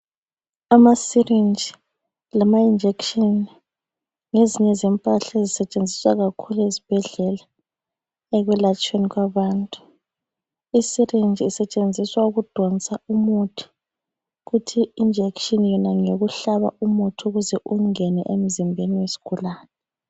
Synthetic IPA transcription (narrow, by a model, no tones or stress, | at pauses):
amasirind͡ʒʱi | lamaind͡ʒʱekʃɔni | ŋeziɲɛzɛmpʼaɬaezisɛt͡ʃʼend͡zʱiswaɣakʰuluezib̥ʱɛɮɛla | ɛɣwɛlat͡ʃʼeniɣwaβaːntʼu̥ | isirind͡ʒʱisɛt͡ʃʼend͡zʱiswauɣud̥ʱɔnt͡sʼaumutʰi̥ | ɣutʰiːnd͡ʒʱekʃɔnjɔnaŋoɣuɬaβa̰umutʰuɣuzɛʔuŋɛnɛ̰ʔem̩zimbʱeniwesi̥ɣ̥ʱulaːnɛ